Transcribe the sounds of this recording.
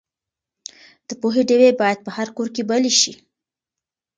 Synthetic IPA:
d̪̥əpoɦeɖewebɑjad̪̚pəhaɾkoɾkebəleʃi

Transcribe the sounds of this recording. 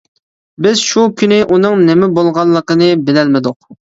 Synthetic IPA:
bɪzʃukʲʰynɪʔunɨŋnɪmɪbolˠʁɑlˠːəqənɨbɪlɛlmɪd̪ʊq̚

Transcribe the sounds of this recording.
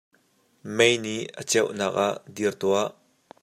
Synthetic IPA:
mejniʔə̰t͡sɛwʔnaːk̚aʔd̪irt̪uaʔ

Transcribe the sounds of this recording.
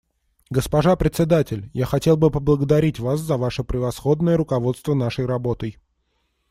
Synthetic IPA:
ɡəspɐʐapɾʲɪt̪sʲɪd̪atʲɪlʲjaxɐtʲe̞lˠbɨpəblˠəɡəd̪ɐɾʲitʲvas̬zəvaʂɨpɾʲɪvɐsxo̞d̪nəjəɾʊkɐvo̞t̪st̪vənaʂəjɾɐbo̞t̪əj

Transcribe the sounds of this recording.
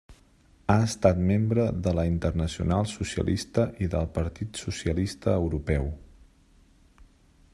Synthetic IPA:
aəst̪at̪membɾəðələint̪ərnəsiṵnalˠsusə̰lʔist̪əʔiðəlˠpəɾt̪it̪susiəlist̪əːwɾupɛw

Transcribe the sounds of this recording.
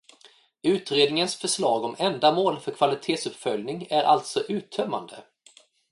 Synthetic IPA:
ʉ̟ːt̪ɾeːd̪nɪŋənsfœʂlɑːɡɔmɛnd̪amoːlfœɾkʰvalɪt̪ʰeːt̪sɵpfœljnɪŋæɾʔa̰lt̪sɔʔʉ̟ːt̪ʰœmːa̰nd̪ə̰

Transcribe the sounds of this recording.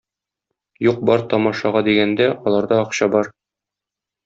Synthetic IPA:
juq̚bɒɾt̪ɒmɑʃɑʁɑd̪iɡænd̪æʔɒlˠɑɾd̪ɑɒqɕɑbɒɾ

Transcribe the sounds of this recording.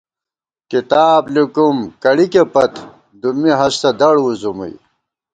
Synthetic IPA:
kit̪aːblikumkɐɽikepɐt̪ | d̪umːiɦɐst̪ɐd̪ɐɽuzumṵj

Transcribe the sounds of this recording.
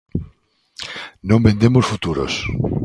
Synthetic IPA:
nõmbend̪emosfut̪uɾo̰s

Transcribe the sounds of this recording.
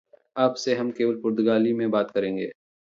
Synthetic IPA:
aːpseɦɐmkeːʋəlpʊɾt̪ʊɡaːlimẽbaːt̪kɐɾẽːŋɡḛː

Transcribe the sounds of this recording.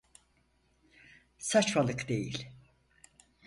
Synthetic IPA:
sat͡ʃvalˠɯkd̪e̞jḭlʲ

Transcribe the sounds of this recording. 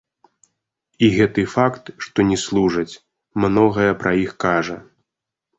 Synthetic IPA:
iɣɛt̪ɨfakt̪ʂt̪ɔnʲɛslˠuʐɐt͡sʲ | mnɔɣɐjɐpɾʔɐixkaʐɐ

